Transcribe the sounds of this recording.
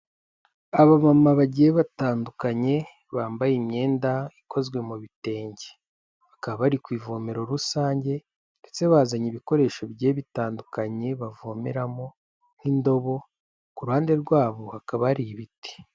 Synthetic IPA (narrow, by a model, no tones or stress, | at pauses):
aβamamaβaɟijeβataːndukaɲe̞ | βaːmbajeimɲe̞ːndaikʰo̞zɡwe̞muβite̞ːɲɟe | βakaβaβaɾikwiːvomeɾo̞ɾusaːɲɟe̞ | nd̥e̞t͡seβaːzaɲiβiko̞ɾe̞ːʃo̞bɟe̞ːβitaːndukaɲe̞βavomḛɾamo̞ | n̥indo̞βo̞ | kuɾuhaːnde̞ɾɡwaːβohakaβaɾiβiti̥